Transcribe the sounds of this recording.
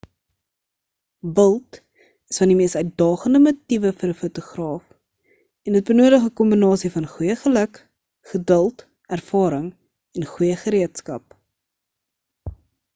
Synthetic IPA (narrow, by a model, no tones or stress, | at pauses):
bəlˠt | əsfɐndimiəsœɥt̚dɑːχəndəmutivəfəɾəfutuχrɑːf | ɛndət̚bənuːədəχəkɔmbinɑːsifɐnχujəχələk | χədəlˠt | ærfɑːɾəŋ | ɛnχujəχəɾiətskɐ̰p̚